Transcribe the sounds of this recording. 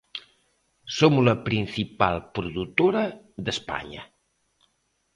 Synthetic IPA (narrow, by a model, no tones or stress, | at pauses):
somuləpɾinsipa̰lˠpɾuðut̪oɾə | d̪əspa̰ɲə̰